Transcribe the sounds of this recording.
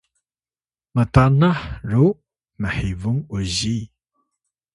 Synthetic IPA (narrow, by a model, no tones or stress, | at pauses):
mətanaħɾu | məħivuŋuzi